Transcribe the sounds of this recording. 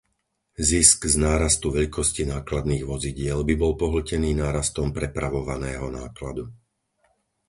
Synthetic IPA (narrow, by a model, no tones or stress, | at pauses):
zisɡznaːɾast̪uʋɛʎkʰɔscinaːklad̪niːɣʋɔziɟɪɛlbibɔlpɔɦl̩cɛniːnaːɾast̪ɔmpɾɛpɾaʋɔʋanɛːɦɔnaːklad̪u